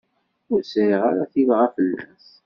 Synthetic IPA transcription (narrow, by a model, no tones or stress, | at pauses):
ʊɾsɾiʁaɾaθivʁafəlːæ̰s